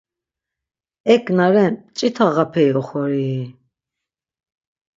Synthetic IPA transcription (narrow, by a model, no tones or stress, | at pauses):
ɛkʰʼnaɾɛnt͡ʃʼit̪ʰaɣapʰɛjɔχɔɾi